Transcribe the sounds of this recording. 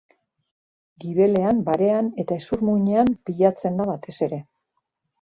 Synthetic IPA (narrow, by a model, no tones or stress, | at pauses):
ɡiβe̞le̞ambaɾe̞ane̞t̪aesuɾmuɲe̞ampiʎat͡se̞nd̪aβat̪ʰe̞se̞ɾe̞